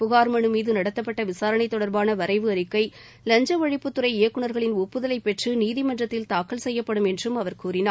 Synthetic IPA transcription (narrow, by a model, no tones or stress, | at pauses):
pʊɣaːɾmɐɳɯmiːðɯnɐɽɐt̪ːɐpːɐʈːɐʋɪsaːɾɐɳɐɪt̪ːɔɽɐɾbaːnɐʋɐɾɐɪʋɯɐɾɯkːɐɪ | lɐɲd͡ʒɐʋɐɻɪpːɯt̪ːɯɾɐɪɪjɐkːɯɳɐɾɣɐɭɪnʊpːɯðɐlɐɪpːɛʈrɯniːðɪmɐndrɐt̪ːɪlt̪aːkːɐɭsɛjːɐpːɐɽɯmɛndrɯmɐʋɐɾkuːrɪnaː